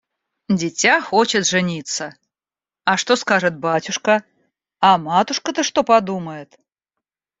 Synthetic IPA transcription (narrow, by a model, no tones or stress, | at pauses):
d͡zʲɪt͡sʲaxɔt͡ɕɪt̪ʐɨnʲit̪sə | ɐʂt̪oskaʐɨt̪̚batʲʊʂkɐ | ɐmat̪ʊʂkət̪ɨʂt̪opad̪uməjɪt̪